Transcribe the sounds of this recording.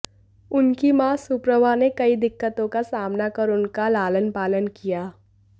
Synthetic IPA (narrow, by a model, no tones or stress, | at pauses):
ʊnkimaːsʊpɾəʋanekɐid̪ɪkːət̪õkasaːmnakɐɾʊnkalaːlənpaːlənkijaː